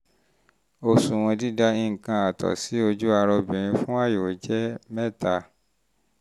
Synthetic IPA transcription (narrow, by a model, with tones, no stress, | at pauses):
o˧sũ˨w̃ɔ̃˧di˦da˦ĩ˦ŋ̩˨kã˧a˨tʰɔ̰˨si˨˦o˧d͡ʒu˦a˧ɾɔ˧bĩ˨ɾ̃ĩ˧fũ˦a˦˨jo˨d͡ʒɛ˦mɛ̃˦˨ta˧